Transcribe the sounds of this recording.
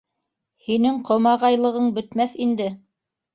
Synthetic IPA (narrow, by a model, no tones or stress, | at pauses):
hinɘŋqʰŏmɑʁɑjlˠɤ̆ʁɤɴbɵ̆t̪mæθind̪ɘ